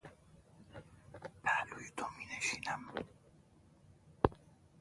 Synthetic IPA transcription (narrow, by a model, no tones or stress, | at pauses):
pʰælujit̪ʰomineʃiːnæm